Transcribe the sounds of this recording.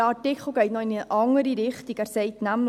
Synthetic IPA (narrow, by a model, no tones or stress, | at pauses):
ɑtɪkχl̩ˠɡɛɪtnɔɪnəʔɑŋəɾiɾɪχtikæɾsɛɪtnæm